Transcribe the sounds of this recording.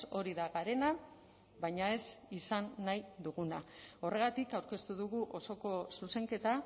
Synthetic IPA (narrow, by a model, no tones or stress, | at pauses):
o̞ɾiðaɣaɾe̞na | βajɲae̞sisanːajd̪uɣunao̞re̞ɣ̞at̪ikawɾke̞st̪uð̞uɣuʔo̞so̞ko̞suse̞ŋke̞t̪a